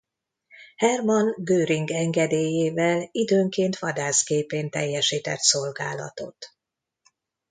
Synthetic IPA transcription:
hɛrmɒnɡøːɾiŋɡɛŋɡɛd̪eːjeːvɛlid̪øːŋkeːnt̪ʋɒd̪aːskeːpeːnt̪ɛ̰jːɛʃiːt̪ɛ̰t̪so̞lɡaːlɒ̰t̪o̞̰t̪

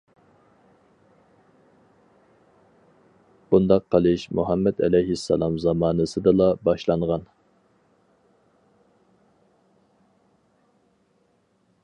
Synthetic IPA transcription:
b̥und̪ɑqʰːəlˠɨʃmṵɦɑmːɛd̪ɛ̰lɛjɦisːɑ̰lˠɑmzɑmɑːnɨsɨd̪ɨlˠɑbɑʃlˠɑŋʁɑn

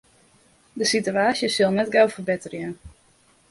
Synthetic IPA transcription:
dəsityaːsjəsɪlˠnɛtɡowfərbɪtərjən

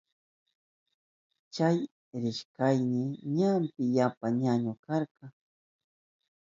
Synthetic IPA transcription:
t͡ʃaj | ɾɪʃkajnɪɲampɪjapaɲaɲokɑɾqɑŋ

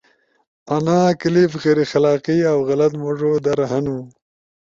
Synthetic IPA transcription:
anaːkɪlifɣeɾixalɑːqiawɣalat̪mʊʐod̪aɾaɦanu

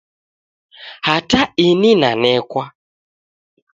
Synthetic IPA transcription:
hataininanɛkwa

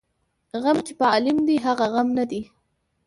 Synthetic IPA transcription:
ɣamt͡ʃepəɑlɪmd̪iɦaɣaɣamnad̪i

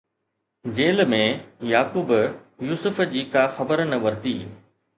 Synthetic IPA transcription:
d͡ʑeːlmẽjaːkuːbjuːsʊfd͡ʑiːkaxɐbəɾnɐʋɐɾt̪iː

